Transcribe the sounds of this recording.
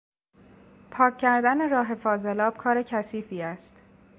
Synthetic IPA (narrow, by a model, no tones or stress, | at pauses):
pʰɒːcʰːæɾd̪æne̞ɾɒːɦe̞fɒːze̞lɒːb̥kʰɒːɾe̞cʰæsiːfiːæst̪